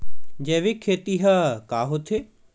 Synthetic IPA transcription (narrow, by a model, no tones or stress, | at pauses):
d͡ʑeːʋikʰːeːt̪iɦɐkaːɦot̪ʰe